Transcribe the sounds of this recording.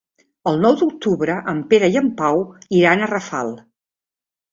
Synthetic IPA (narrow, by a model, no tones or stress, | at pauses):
əlˠnɔwd̪uk̚t̪uβɾəʔəmpeɾəjəmpawiɾanərəfa̰lˠ